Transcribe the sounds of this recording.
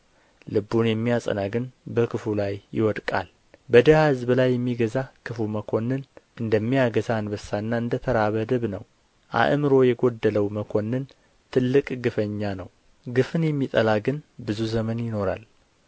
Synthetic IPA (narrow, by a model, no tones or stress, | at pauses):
lɨbːunjɛmːijasʼə̰naɡɨnbəkʰɨfulajːɪ̰wɔd̪kʼa̰l | bəd̪əhahɨzbɨlajːɛmːiɡəzakʰɨfuməkʰo̞nːɨnʔɨnd̪əmːijaɡəzanbəsːaɨnːaɨnd̪ət̪ʰəɾaβəd̪əβnəw | ʔa̰ʔmɨɾo̞jɛɡo̞d̪ːələwməkʰo̞nːɨn | t̪ʰɨlːɨkʼɡɨfəɲːanəw | ɡɨfɨnjɛmːit̪ʼəlaɡɨnbɨzuzəmənjɪno̞ɾa̰l